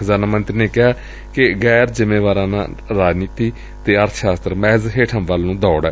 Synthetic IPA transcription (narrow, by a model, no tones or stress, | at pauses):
zaːnaːmənt̪ɾiːneːkɪɦaː | kɪɡɛːɾzɪmeːʋaːɾãːnã̰ːɾaːd͡ʒniːt̪iː | t̪eːəɾt̪ʰʃaːst̪əɾmɛːzɦeːʈʰə̃mʋalːũːd̪ɔːɽɛː